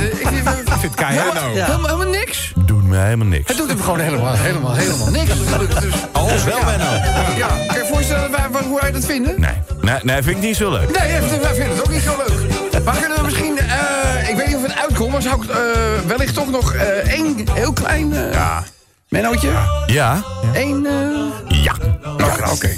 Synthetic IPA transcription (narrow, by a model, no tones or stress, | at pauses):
ɪkfɪntkajahelˠmɦlˠmalˠnɪks | dunməhelˠmalˠnɪ̰kəduəəχownejləmaɦeləmalˠɦejləmalˠnɪksdsoʋɛlˠmɛnojakanjəfoːs̬tɛlˠəʋaʋaɦuɛjdɔtfɪndənḛnenefɪnɪknitsolø̰ɥknejɛdʋɛjfɪndədɔtowkniɪløɥk | maːkønəʋəmɪsχinəɪkʋejt̚nitɔfətœɥt̚kɔmʋasawɪkəʋɛlɪχtɔχnɔχəejnɦɪːlˠklɛ̰jnja̰ | mɛnowəjaejnəja̰ | o̰kḛj